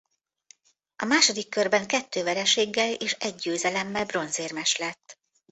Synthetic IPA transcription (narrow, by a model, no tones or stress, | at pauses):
ɒmaːʃo̞d̪ikːørbɛŋkɛt̪ːøːvɛɾɛʃeːɡːɛleːʃɛɟ̚ːøːzɛlɛmːɛlbro̞nzeːrmɛʃlɛt̪ː